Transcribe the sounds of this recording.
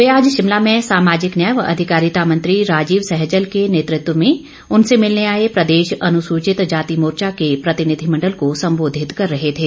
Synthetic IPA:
ʋeaːd͡ʒʃɪmlamẽsaːmaːd͡ʒɪknjajəʋɐ̰d̪ʱɪkaːɾɪt̪amɐ̃nt̪ɾiɾaːd͡ʒiːʋsɛɦd͡ʒəlkeneːt̪ɾɪt̪wəmẽ | ʊnsemɪlneaːepɾɐd̪eːʃɐnʊsuːt͡ʃɪt̪d͡ʒaːt̪imoːɾt͡ʃakepɾɐt̪ɪnɪd̪ʱimɐ̃ɳɖəlkosɐ̃mboːd̪ʱɪt̪kɐɾːɐɦet̪ʰeː

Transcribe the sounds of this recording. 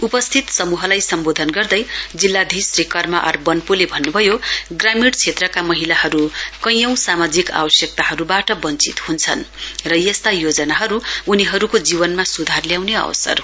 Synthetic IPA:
upʌst̪ʰit̪sʌmuɦʌlajsʌmbod̪ʱʌnɡʌrd̪ʌjd͡zilːad̪ʱisrikʌrmaʔʌ̰rbʌnpulebʱʌnːubʱʌjoɡramiɽt͡sʰet̪rʌkamʌɦilahʌɾukʌjʌ̃w̃samad͡zika̰bʌsjʌk̚t̪aɦʌɾubaʈʌbʌnt͡sit̪hunt͡sʰʌnrʌjʌst̪ajod͡zʌnaɦʌɾuːniɦʌɾukod͡zibʌnmasud̪ʱarljawneʌ̰w̰sʌ̰r

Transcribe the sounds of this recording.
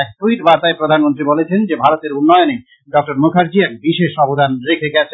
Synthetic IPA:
kʈuiʈbaɾt̪aepɾod̪ʱanmont̪ɾibolet͡ɕʰend͡ʑebʱaɾot̪eɾunːɔeone | ɖɔk̚ʈoɾmokʰaɾd͡ʑiɛk̚biʃeʃɔbod̪ʱanɾekʰeɡɛt͡ɕʰe

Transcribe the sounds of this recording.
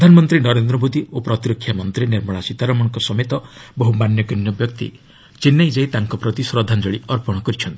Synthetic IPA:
ɾd̪ʱanɔmɔnt̪ɾinɔɾend̪ɾɔmod̪iopɾɔt̪iɾɔkʰːjamɔnt̪ɾiniɾmɔɭasit̪aɾɔmɔ̃ɔŋkɔsɔmet̪ɔbɔɦumanjɔkinːɔbjɔk̚t̪ḭ | t͡ʃinːajd͡ʒajt̪aŋkɔpɾɔt̪isɾɔd̪ʱand͡ʒɔɭiɔɾpɔɽ̃ɔkɔɾit͡ʃʰɔnt̪i̥

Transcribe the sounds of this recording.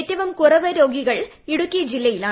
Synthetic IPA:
tːɐʋɐmkurɐʋɐɾo̞ːɡiɣɐɭ | iɽukʲːijɐd͡ʑilːɐjilaː

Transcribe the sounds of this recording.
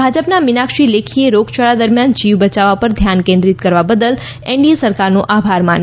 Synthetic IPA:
bʱad͡ʒəpnamɪnakʃilekʰieɾoɡt͡ʃʰəɭad̪əɾmjand͡ʒiʋbət͡ʃaʋapəɾd̪ʱjankẽnd̪ɾit̪kəɾʋabəd̪əl | ẽɳɖiesəɾkaɾnoʔabʱaɾman

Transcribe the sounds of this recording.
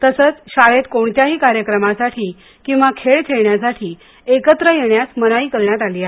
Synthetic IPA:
t̪əsəːt͡sɕaɭet̪koɳt̪jaɦiːkaɾjəkɾəmasaʈʰiː | kĩw̃ʋakʰeɭt̪ʰeɭɳjasaʈʰiː | ekət̪ɾəjeɳjasmənaiːkəɭɳjat̪aliːa

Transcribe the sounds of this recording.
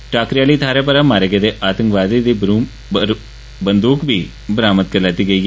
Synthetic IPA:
ʈaːkɾijaːliːt̪ʰaːɾep̬əɾamaːɾeɡed̪eʔaːt̪ə̃ŋkʋaːd̪id̪iːɾuː | bənd̪uːkbʱiː | bəɾaːmət̪̚kəɾlaːt̪iːɡəiː

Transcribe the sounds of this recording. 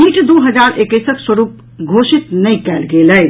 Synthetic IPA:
iːʈd̪oːɦəd͡ʒaːɾʔekesəkswəɾuːp | ɡʱoːʃɪt̪nəĩkɛːlɡeːləj

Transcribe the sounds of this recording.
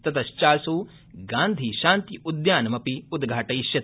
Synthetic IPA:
t̪ɐt̪ʰɐʃt͡ʃaːsuː | ɡaːnd̪ʱiʃaːnt̪iʔud̪jaːnɐmɐpiud̪ɡʱaːʈɐiʃjɐt̪

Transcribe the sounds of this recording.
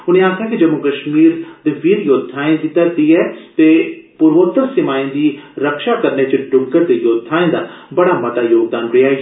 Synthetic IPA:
ʊnẽːaːkʰjaːkid͡ʒəmʊkəʃmiːɾd̪eːʋiːɾjoːd̪ʱaːẽd̪it̪ːad̪iːɛːt̪eːpʊɾʋot̪əɾsɪmaːĩd̪iːɾəkʃaːkəɾneːt͡ʃɖʊŋɡəɾd̪eːjoːd̪ʱːaːẽːd̪aːbəɽaːmət̪aːjoːɡ̚d̪aːnɾejaːɦ

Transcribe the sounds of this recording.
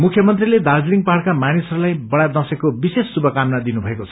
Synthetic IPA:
mukʰjʌmʌnt̪riled̪ald͡zliŋɡpaɦaɽkamanisʌɾulajbʌɽad̪ʌsekobisesːubʌkamnad̪inubʱʌekot͡sʰʌ̥

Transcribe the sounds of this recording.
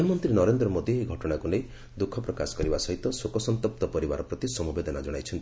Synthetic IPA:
mɔnt̪ɾinɔɾend̪ɾɔmod̪ieɡʱɔʈɔɽ̃akunej | d̪ukʰːɔpɾɔkasɔ̥kɔɾibasɔɦit̪ɔsokɔsɔnt̪ɔp̚t̪ɔpɔɾiba̰ɾɔpɾɔt̪isɔmubed̪ɔnad͡ʒɔɽ̃ajt͡ʃʰɔnt̪

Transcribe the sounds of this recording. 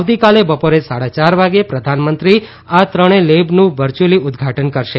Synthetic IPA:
ʋt̪ikalebəpoɾesaɽat͡ʃaɾʋaɡepɾəd̪ʱanmənt̪ɾi | at̪ɾəɽ̃elebnũʋəɾt͡ʃuliʊd̪ɡʱaʈənkəɾʃe

